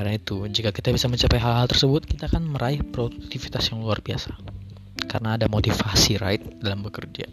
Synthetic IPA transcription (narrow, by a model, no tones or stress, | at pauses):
arnait̪ud͡ʒikakit̪abisaməɲt͡ʃapajɦalɦalt̪ərsəbʊt̪̚kit̪aːkanməɾaɪhpɾodukt̪ifit̪asjaŋluarbia̰sḁ | karənaːdamot̪ifasiɾa̰ɪt̪̚dalambəkərd͡ʒa̰